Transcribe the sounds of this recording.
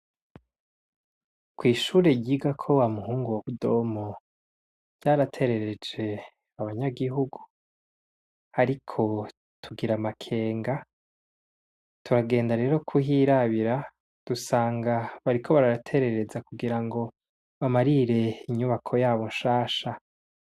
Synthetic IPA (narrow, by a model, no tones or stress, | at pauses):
kwiːʃuːɾe̞ɟiɡakʰo̞wamuhuːŋɡuwaβudo̞mo | ɟ̥aɾatʰe̞ɾe̞ɾe̞d͡ʒe̞ | aβaɲaɡiɦuɡu | haɾikʰo̞ | tʰuɡiɾamakʰe̞ːŋɡa | tuɾaɡe̞ːndaɾe̞ːɾo̞kʰuhiɾaβiɾa | d̥usaːŋɡaβaɾikʰo̞βaɾaɾatʰe̞ɾe̞ɾe̞zakuɡiɾaŋɡo̞ | βamaɾiɾe̞iɲuβakʰo̞jaːβo̞nʃaːʃa